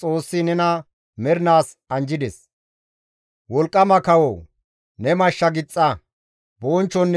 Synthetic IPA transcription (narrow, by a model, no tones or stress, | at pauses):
t͡sʼo̞ːsːɪnɛnɐ | mɛɾɪnaːs | ɐnd͡ʒɪd̪ɛs | wɔlkʼːɐmɐkɐwo | nɛmɐʃːɐɡɪt͡sʼːɐ | boːnt͡ʃːɔnː